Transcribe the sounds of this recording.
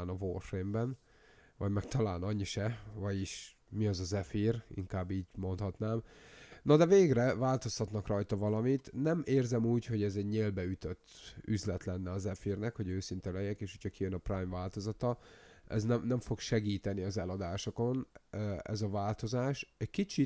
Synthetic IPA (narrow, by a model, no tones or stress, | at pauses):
nɒvoːrfrembɛn | vɒɟmɛkt̪ɒlaːnɒɲːiʃɛvɒɟiʃ | miɒzɒzɛfirḭŋkaːbːiːɟmo̞nt̪hɒt̪naːmnɒd̪ɛveːɡrɛvaːlt̪o̞st̪ɒt̪nɒkrɒjt̪ɒvɒlɒmit̪nɛmʔeːrzɛmuːcho̞ɟɛzɛɟɲeːlbɛyt̪øt̪ːyzlɛt̪lɛnːɛɒzɛfirnɛkho̞ɟøːsint̪ɛlɛjɛkeːʃho̞cʰɒkijønɒpraːjmvaːlt̪o̞zɒt̪ɒɛ̰znɛmnɛɱfo̞kʃɛɡiːt̪ɛniɒzɛlɒd̪aːʃo̞ko̞nɛ̰zɒvaːlt̪o̞zaːʃɛckit͡ʃi